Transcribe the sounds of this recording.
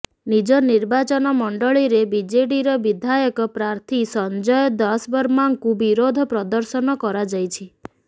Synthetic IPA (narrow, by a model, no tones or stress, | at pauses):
nid͡ʒɔniɾbat͡ʃɔnɔmɔɳɖɔɭiɾebid͡ʒeʈiɾɔbid̪ʱajɔkɔpɾaɾt̪ʰisɔnd͡ʒɔjɔd̪ɔsbɔɾmaŋkubiɾod̪ʱɔpɾɔd̪ɔɾsɔnɔkɔɾad͡ʒajt͡ʃʰi